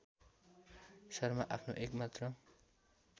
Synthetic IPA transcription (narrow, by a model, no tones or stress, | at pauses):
sʌrmaʔapʰnoʔekmat̪rʌ